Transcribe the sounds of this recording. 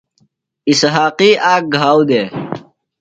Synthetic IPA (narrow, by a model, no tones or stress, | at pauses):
isɦaːqiːʔaːk̚ɡʱaːwd̪eː